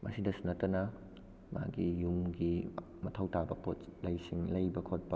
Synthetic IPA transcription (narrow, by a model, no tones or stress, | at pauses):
mɐ̰sidɐsunɐtːɐnɐ | ma̰ɡijumɡi | mɐtʰɐwtabɐpotlɐjsiŋlɐjbɐkʰot̚pɐ